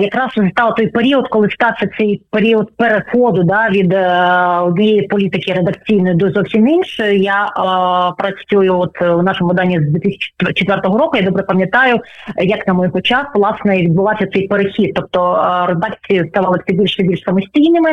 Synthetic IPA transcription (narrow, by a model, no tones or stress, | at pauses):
jɐkɾɑsrezʊlʲt̪ɑʋˠɐt̪ɔjpeɾʲiɔd̪kɔlˠɪst̪ɑwsʲɐt̪sɛjpeɾʲiɔd̪̚peɾexɔd̪ʊd̪ɑʋʲid̪ | ɔd̪̚ʲnʲijejipɔlʲit̪ɪkɪɾed̪ɐkt͡sʲijnɔjʊd̪ɔzɔwsʲimɪnʃɛjaʔpɾɐt͡ssʲujʊɔt̪wnɑʃomʊʋɪd̪ɑnʲːizd̪ʋʲiɛt̪ɪsʲɪ̥t͡ʃt͡ʃet̪ʋɛrt̪ɔɦɔɾɔkʊjad̪ɔbɾɛpɐmʲjɐt̪ɑjʊjɐknɐmɔjɦɔt͡ʃɑsʋlˠɑsnɛiʋʲid̪̚bʊlˠɑsʲɐtsɛjpeɾexʲid̪̚t̪ːɔp̚t̪ɔɾed̪ɑkt͡sʲijɐst̪ɑʋɑlˠɐsɛbʲilʲʃsɛbʲilʲʃsɐmɔsʲtʲijnɪmɪ